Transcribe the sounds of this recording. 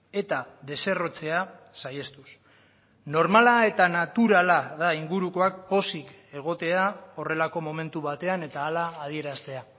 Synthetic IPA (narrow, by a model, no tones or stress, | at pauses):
e̞t̪aðe̞se̞ro̞t͡se̞a | saje̞st̪us | no̞ɾmalae̞t̪anat̪uɾalaðaiŋɡuɾuko̞ak̚po̞sik | e̞ɣ̞o̞t̪e̞ao̞re̞lako̞mo̞me̞nt̪uβat̪e̞ane̞t̪aːlaːð̞ie̞ɾast̪e̞a